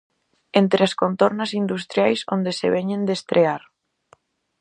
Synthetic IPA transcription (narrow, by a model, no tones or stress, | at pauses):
ent̪ɾɪaskont̪oɾnasind̪ust̪ɾjajsond̪eseβeɲẽnd̪est̪ɾeaɾ